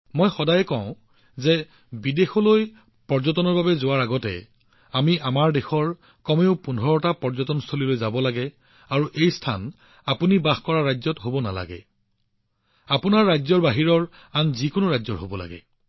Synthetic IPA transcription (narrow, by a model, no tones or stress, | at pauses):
mɔjxɔdajɛkɔʊ̃ | zɛ | bidexɔloj | pɔɹzɔtɔnɔɹbabɛzʊwaɹaɡɔtɛ̰ | amiʔamaɹdexɔɹ | kɔmeʊpunʱɔɹɔtapɔɹzɔtɔnstʰolilojzabɔlaɡɛ | aɹuʔejstʰa̰n | apunibaxkɔɹaɹajzɔtɦobɔna̰la̰ɡɛ̰ | apʊnaɹːajzɔɹbaɦiɹɔɹ | anzikʊnʊɹajzɔɹɦobɔla̰ɡɛ̰